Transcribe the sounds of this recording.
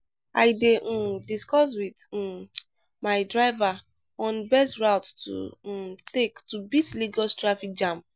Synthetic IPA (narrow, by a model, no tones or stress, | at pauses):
ajdediskɔs̬wit̩ | majdɹaɪva | ɔ̃nbɛstɹawttṵtektubitliɡɔstɹafik̚d͡ʒãm